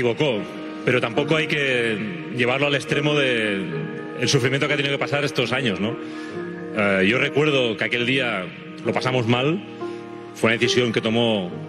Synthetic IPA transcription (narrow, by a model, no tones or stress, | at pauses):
iβoko | pe̞ɾot̪ampokoajke | ʎe̞β̞aɾloalest̪ɾemoðeː | lsufɾimijent̪oket̪enijok̬epasaɾest̪osaɲozno | ajorekwe̞ɾð̞okeakeld̪ia | lopasamo̞zmal | fweunaðeθisjo̞ŋke̞t̪o̞mo